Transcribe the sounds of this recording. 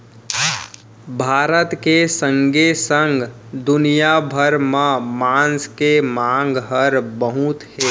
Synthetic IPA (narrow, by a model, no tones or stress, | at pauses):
bʱaːɾət̪kesə̃ŋɡesəŋɡ | d̪ʊnijabʱəɾmẽmaːnskemãŋɡɦəɾbəɦut̪heː